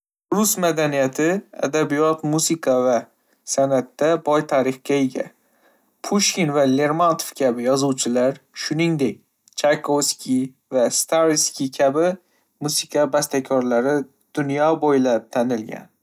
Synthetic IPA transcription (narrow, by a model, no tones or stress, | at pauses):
ɾʊsmad̪anijat̪ʰɪa̰d̪abijɒt̪musɪkʰɑva | sanat̪ːabɒjt̪ʰaɾɪχkʲaeɡʲa̰ | pʰuʃkʲinvale̞ɾmant̪ʰofkʲʰabɪjɒzuwt͡ʃʰɪlaɾʃʊnɪŋd̪ek̚ʲ | t͡ʃʰakʰovskʲi | vast̪ʰaɾskʲikʲʰabɪ | musɪkʰabast̪akʲʰɒɾlaɾɪ | d̪̥ʊnjɒbojlap̚t̪ʰanɪlɡʲa̰n